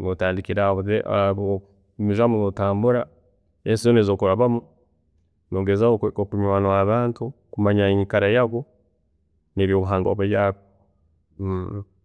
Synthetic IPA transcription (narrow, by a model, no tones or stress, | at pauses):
notaːndikiɾaβuzeʔβ | miʒamuŋotaːmbuɾa | esizonezoːkuɾaβamu | noɡezaookuɲwaːnoaβaːntu | kumaɲaiɲikaɾajaɡo | neβjoβuɦaːŋɡo̰βeβjako